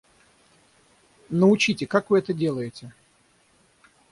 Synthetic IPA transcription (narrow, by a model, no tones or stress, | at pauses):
nəʊt͡ɕitʲɪkakvɨɛt̪ədʲe̞lˠəjɪtʲɪ